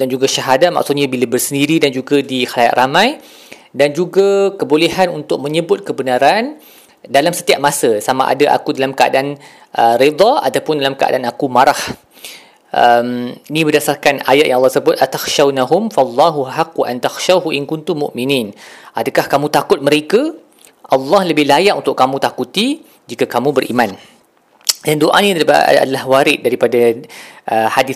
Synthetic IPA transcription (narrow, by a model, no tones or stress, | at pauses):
dand͡ʒuɡaʃaɦadat̪̚ma̰ʔsut̪ɲabilabərsəndiɾidand͡ʒuɡadixalajaʔ̪rʔamãj | dand͡ʒuɡakəbolehanunt̪ʊk̚mə̃ɲəbʊt̪̚kəbənaɾan | dalamsə̥t̪iap̚masasama̰ʔa̰daʔa̰kudalamkəa̰daʔan | ʔəɾid̪ˤɑa̰t̪awpʊndalamkəa̰daanakumaɾah | ʔəminĩbərdasarkanajat̪jaŋɑlːɑsəbʊt̪̚ʔat̪axʃawnaɦʊmfalˤːɑɦuɦaqːuʔant̪axʃaɦuʔɪnkʊnt̪ʊmːʊ̰ʔminĩnʔadakahkamũt̪akʊt̪̚məɾeka | ʔɑlːɑhləbɪhlajaʔunt̪ʊʔkːamũt̪akut̪i | d͡ʒikakamũbəɾʔimãn | dandoʔa̰nĩɾipa̰a̰dalahwaɾɪt̪̚daɾipadaʔəhadɪ